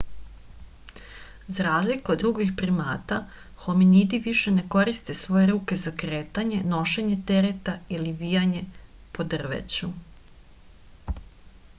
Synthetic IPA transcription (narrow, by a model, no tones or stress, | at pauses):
zaɾaːzlikood̪ːɾuɡixpɾimaːt̪a | xo̞minid̪iʋiʃe̞ne̞ko̞ɾist̪e̞sʋo̞je̞ɾuːke̞zakɾeːt̪aɲe̞no̞ʃe̞ɲe̞t̪e̞ɾet̪ailiʋijaɲe̞po̞d̪r̩ʋḛt͡ɕu